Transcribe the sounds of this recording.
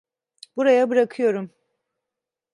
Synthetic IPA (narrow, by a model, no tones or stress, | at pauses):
b̥uɾajabɯɾakʰɯjo̞ɾum